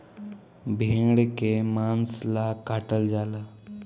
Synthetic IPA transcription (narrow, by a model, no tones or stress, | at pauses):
bʱẽɽkemanslakaʈəld͡zala